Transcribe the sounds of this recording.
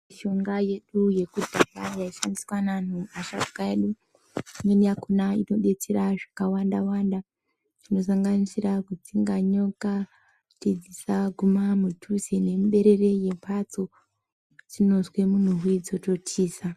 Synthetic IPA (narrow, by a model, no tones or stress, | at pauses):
ʃo̞ŋɡaje̞ɗuje̞kudʱaɡajaiʃandiswanan̤uaʃatu̥kaeɗu | mwenijakunaino̞ɗe̞t͡se̞ɾaʐakawandawaːnda | ʐino̞s̬aŋɡanisirakutiŋɡaɲo̞ka | tid͡zisaɡʱumamutʰuzene̞muɓe̞ɾe̞re̞je̞mpʰat͡so̞ | tino̞zwe̞mun̤uɦwid͡zo̞to̞tiːsa